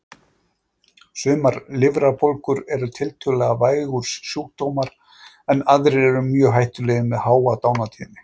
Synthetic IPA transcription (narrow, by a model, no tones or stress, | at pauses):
sʏːmaɾlɪvɾapolkʏɾɛɾʏt̪ʰɪlt̪ʰœːlɛɣavaːjɣʏɾ̥sːjuːk̚t̪oːwmaɾ̥ | ɛnaðɾɪɛɾʏmjœːɦajht̪ʏlɛːɣɪmɛðhaːwat̪aːwnat̪ʰiːnɪ